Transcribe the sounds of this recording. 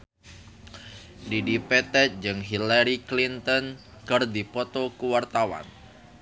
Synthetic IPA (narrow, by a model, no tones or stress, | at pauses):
didipɛt̪ɛt̪̚d͡ʒɨŋɦilaɾiklint̪ɔn | kɨrdipɔt̪ɔkuwart̪awa̰n